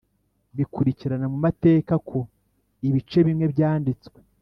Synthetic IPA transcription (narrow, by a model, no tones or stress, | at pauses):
βikuɾiciɾanamumate̞ːkakʰo̞ | iβit͡ʃe̞βimŋe̞βjaːndit͡skwe̥